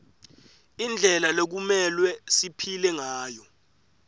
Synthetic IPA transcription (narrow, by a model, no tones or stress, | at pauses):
ind͡ɮʱɛlalek̬umɛlwɛsipʰilɛŋaːjɔ